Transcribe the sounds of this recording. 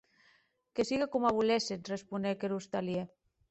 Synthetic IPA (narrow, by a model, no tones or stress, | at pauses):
kesiɣakumaβulesenrespunekeɾust̪alje